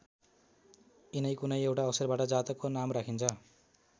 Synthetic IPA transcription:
inʌjkunʌjewʈaʌbʌsʌrbaʈʌd͡zat̪ʌkonamrakʰint͡sʰʌ

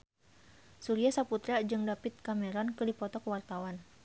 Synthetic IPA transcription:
suɾiasaput̪ɾad͡ʒɨŋdapɪt̪̚kamɛɾɔnkɨrdipɔt̪ɔkəwart̪awan

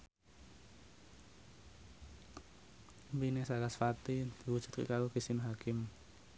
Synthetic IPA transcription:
mpinesakasfat̪id̪̥i̤wudʒ̥ṳ̥t̪̚kwḭʔkaloɡ̥isinɦakɪm

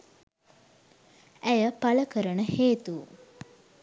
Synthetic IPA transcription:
æjəpaləkəɾənəheːt̪u

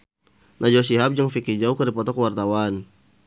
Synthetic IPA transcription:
nʔad͡ʒos̬iɦap̚d͡ʒaŋfikid͡ʒaukəɾipɔt̪ɔkəwart̪awan

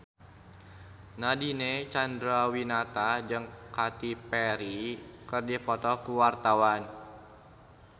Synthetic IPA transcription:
nadinet͡ʃand̪ɾawinat̪ad͡ʒɨŋkat̪ipɛɾikərdipɔt̪ɔkuwart̪awan

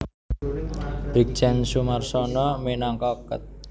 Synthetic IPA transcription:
b̥ik̚t͡ʃɛnsumarsɔnɔmenaŋkɔkə̰t̪̚

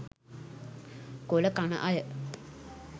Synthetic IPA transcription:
koləkanə̰ʔajə

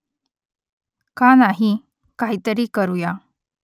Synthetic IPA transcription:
kanaɦi | kaɦit̪əɾiːkəɾuja

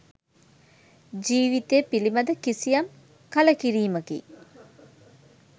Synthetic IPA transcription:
d͡ʒiːʋit̪eːpilimɐd̪əkisijam | kɐləkiɾiːməkḭ

